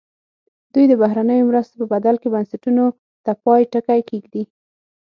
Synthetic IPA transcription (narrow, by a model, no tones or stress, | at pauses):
d̪̥ujd̪əbaɦɾanəjomɾəst̪opəbad̪alkebansaʈuno | t̪apɑjʈəkajkeɡd̪i